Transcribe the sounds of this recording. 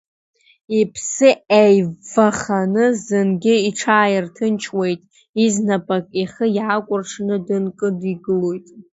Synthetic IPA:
ipʰsɨejvaχanɨzɨnɡʲɪiʈ͡ʂʰaːjɪrtʰɨnt͡ʃʰwe̞jtʼ | iznapʼakʼiχəjʕakʷʼʊrʈ͡ʂʰnɨdɨnkʼɨdiɡɨlojtʼ

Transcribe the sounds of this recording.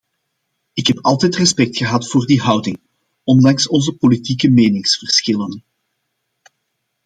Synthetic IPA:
ɪkɦɛpɑlˠtɛjtrɛspɛk̚txəɦɑtfoːrdiɦʌwdɪŋ | ɔndɑŋsɔnzəpolitikəmeːnɪŋsfərsxɪlən

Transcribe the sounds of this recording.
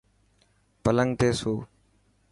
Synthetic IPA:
pələŋɡt̪eːsoː

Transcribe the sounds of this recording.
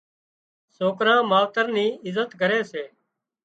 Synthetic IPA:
soːkɾãːmaːʋt̪əɾniːɪzət̪ɡʱəɾeːseː

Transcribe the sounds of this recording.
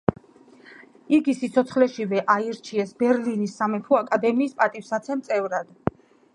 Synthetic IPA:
iɡisit̪sʰɔt̪sʰχlɛʃivɛʔaiɾt͡ʃʰiɛsbɛɾlinisːamɛpʰuakʼad̪ɛmiːspʼat̪ʼifsat̪sʰɛmt̪sʼɛvɾad̪̥

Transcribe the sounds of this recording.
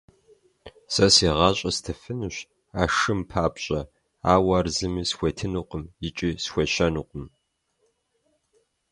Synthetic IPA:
sʼɐseːʁɑːɕʼɐstʰɨfɨnuɕ | aːʂɨmpʰaːpɕʼɐ | aːwɐrzɨmiːsxʷetʰɨnuqʷəmjɪt͡ʃʼiːsxʷɔɕɐnuqʷʼəm

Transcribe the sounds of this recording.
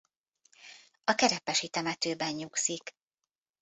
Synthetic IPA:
ɒkɛɾɛpɛʃit̪ɛmɛt̪øːbɛɲɲuksik

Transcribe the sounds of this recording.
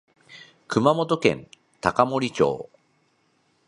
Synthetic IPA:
kɯ̟mamo̞t̪o̞kẽ̞̰n | t̪akamo̞ɾʲit͡ɕo̰ː

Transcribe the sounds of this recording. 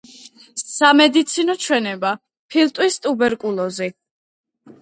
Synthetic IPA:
samɛd̪it̪sʰinɔt͡ʃʰwɛnɛba | pʰilˠt̪ʼwist̪ʼubɛɾkʼulˠɔzi

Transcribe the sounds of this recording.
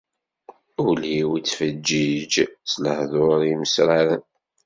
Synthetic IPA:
uliwit͡sːfəd͡ʒːid͡ʒt͡sːləhðʊɾiməsɾaɾən

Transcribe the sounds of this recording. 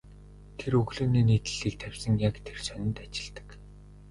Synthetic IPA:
t̪ʰeɾɵɣɮuːneːniːt̪ɘ̆ɮiːk̚t̪ʰæwʲsə̆ŋjakt̪ʰersœnʲɪ̆nt̪at͡ɕɪ̆ɮt̪ə̥̆k

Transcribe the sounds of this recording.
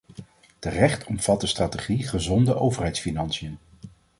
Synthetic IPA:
tərɛχtʰɔmv̥ɑt̚dəstraːteχiχəzɔndəʔowvərɦɛjtsfinɑnsijən

